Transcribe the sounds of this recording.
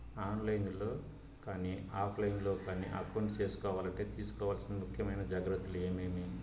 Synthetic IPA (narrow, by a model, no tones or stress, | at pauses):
aːnlɐjnlo̞ː | kaːniaːpʰlɐjnlo̞ːkaːnḭʔɐ̰kɐwuɳʈt͡ʃe̞ːsu̥kɔːʋaːlɐɳʈe̞ːt̪iːsu̥kɔːʋaːlsind̪imukʰjɐmɐjnɐd͡ʒaːɡɾɐt̪ːulue̞ːmeːmi